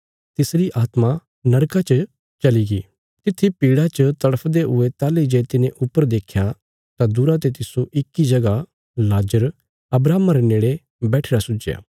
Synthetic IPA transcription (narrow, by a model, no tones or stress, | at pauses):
t̪ɪsɾiʔaːt̪ma | nɐɾkat͡ʃə | t͡ʃɐliɡiː | t̪ɪt̪ʰːipiːɽat͡ʃət̪ɐɽəpʰd̪eɦʊet̪aːlid͡ʒeːt̪ɪnẽʔʊpːəɾd̪eːkʰːja | t̪ad̪ʊɾat̪̬et̪ɪsoʔɪkːid͡ʒɐɡa | laːd͡ʒəɾ | ɐbɾaːmaɾeneːɽe | bɛːʈʰeːɾasʊd͡ʒja̰ː